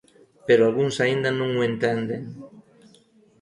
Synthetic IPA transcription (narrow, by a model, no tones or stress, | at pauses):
peɾoalɣuŋsaind̪ɐnõŋuent̪ɛnd̪eŋ